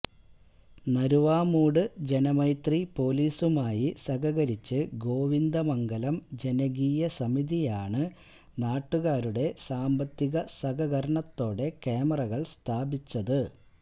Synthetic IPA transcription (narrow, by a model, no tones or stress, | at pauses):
nɐɾuʋaːmuːɽɨd͡ʑe̞nɐmɐjt̪ripo̞ːliːsumaːjisɐɣɐɣɐɾit͡ɕːɨɡo̞ːʋind̪ɐmɐŋɡɐlɐmd͡ʑe̞nɐɣiːjɐsɐmiðijaːɳɨ | naːʈːuɣaːɾuɽe̞saːmbɐt̪ːiɣɐsɐɡɐɣɐɾɐɳɐt̪ːo̞ːɽe̞ke̞ːmɐrɐɣɐɭst̪ʰaːbit͡ɕːɐðɨ